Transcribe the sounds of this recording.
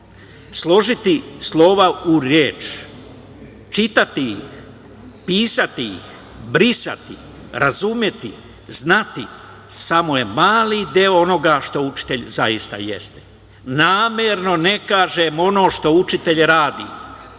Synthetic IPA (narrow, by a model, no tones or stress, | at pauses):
slˠo̞ʒit̪islˠo̞ʋauɾjeːt͡ʃ | t͡ʃit̪at̪iix | piːsat̪iḭx | bɾisa̰t̪i | ɾazumje̞t̪ḭ | znat̪i | samo̞je̞maːlid̪eoono̞ɡaʃt̪out͡ʃi̥t̪e̞ʎzajist̪a̰jḛst̪e̥ | naːmjeɾno̞ne̞kaːʒemo̞no̞ːʃt̪o̞ut͡ʃit̪e̞ʎɾaːd̪ḭ